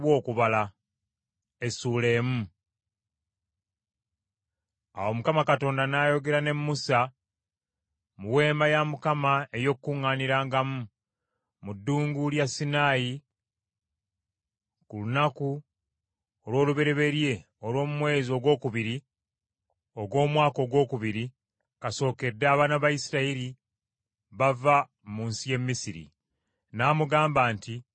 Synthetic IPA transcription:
wo̞ːkuβala | e̞suːle̞ːmu | a̰wo̞mukamakato̞ːndanaːjo̞ɡe̞ɾane̞mːusa | muwe̞ːmbajamukamae̞jo̞kkːuŋːaːniɾaːŋɡamu | mudːuːŋɡuljasːinaːji | kulunaku | o̞lwo̞ːluβe̞ɾe̞βe̞ɾje̞ | o̞lwo̞ːmumwe̞ːzio̞ɡwo̞ːkuβiɾi | o̞ɡwo̞ːmwaːko̞ːɡwo̞ːkuβiɾi | kaso̞ːke̞dːaːβaːnaβaisiɾaeɾi | βava | muːnsije̞mːisiɾḭ | naːmuɡaːmbaːnti

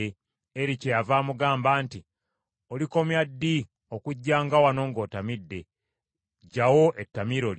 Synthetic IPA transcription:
eɾicejavaːmuɡaːmbaːnti | oliko̞mjadːi | o̞kuɟːaːŋɡawano̞ːŋɡo̞ːtamidːe̞ | ɟːawoʔetːamiɾo̞l

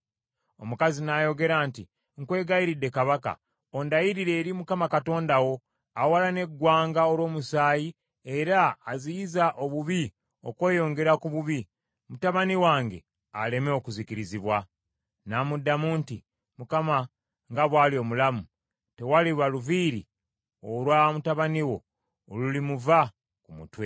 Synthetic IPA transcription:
o̞̰mukazinajo̞ɡe̞ɾaːnti | ŋkwe̞ːɡajiɾidːe̞kaβaka̰ | ondajiɾiɾe̞ːɾimukamakato̞ːndawo̞ | awalane̞ɡːwaːŋɡao̞lwo̞ːmusaːji | e̞ɾaːzijizaʔo̞βuβi | o̞̰kwe̞ːjo̞ːŋɡe̞ɾakuβuβi | mutaβaniwaːŋɡe̞ | ale̞meo̞kuzikiɾiziβwa | namudːamuːnti | mukama | ŋɡaβwaːlio̞mulamu | te̞waliβwaluviːɾḭ | olwamutaβaniwo̞ | olulimuva | kumṵtwe̞

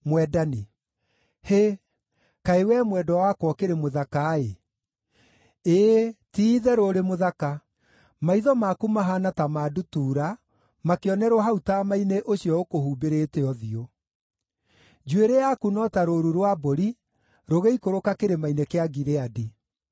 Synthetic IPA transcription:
mwɛdane | he | kaewɛmwɛdɔwakwɔkeɾemoðakae | eːtiːðɛɾoɾemoðaka | maiðɔmakumaɦanatamadutuːɾa | makeɔnɛɾoɦautamaineʔoɕiɔokohuːbeɾeteɔðio | d͡ʒuweɾeakunɔtaɾoɾuɾwaboɾi | ɾoɣeikoɾokakeɾemainekeaɡiɾeadi

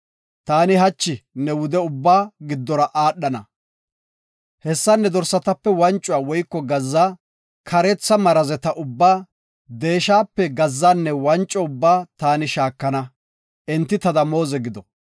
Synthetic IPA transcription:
t̪aːnɪɦɐt͡ʃːɪnɛwʊd̪ɛʊbːaːɡɪd̪ːɔɾɐʔaːɗːɐnɐ̰ | hɛsːɐnːɛd̪ɔɾsːɐt̪ɐpːɛwɐnt͡ʃʼːʊwaːwɔjkːɔɡɐzːaː | kʰɐɾɛt͡sːɐmɐɾɐzɛt̪ɐʔʊbːaː | d̪e̞ːʃaːpːɛɡɐzːaːnːɛwɐnt͡ʃʼːɔʊbːaːt̪aːnɪʃaːkːɐnɐ | ʔɛnt̪ːɪt̪ɐd̪ɐmo̞ːzɛɡɪd̪ɔ

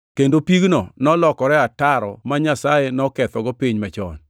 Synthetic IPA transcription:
kendopiɡnɔnɔlɔkɔɾɛataɾɔ̰maɲasajenɔkɛt̪ɔɡɔpiɲmat͡ʃɔ̰n

